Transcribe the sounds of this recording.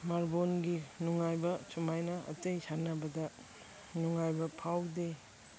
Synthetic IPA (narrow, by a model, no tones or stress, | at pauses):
maɾbonɡinuŋajbɐsumajnɐɐ̰tejsanːɐbɐdɐ | nuŋajbɐpʰawde